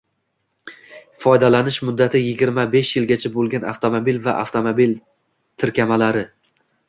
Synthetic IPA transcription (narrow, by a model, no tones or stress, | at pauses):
fɒjd̪alanɪʃmʊd̪ːat̪ʰɪjɪɡʲɪɾmabe̞ʃjɪlɡʲat͡ʃʰabolˠɡʲana̰ft̪ʰomobilvaʔa̰ft̪ʰomobil | t̪ʰɪɾkʲʰamalaɾɪ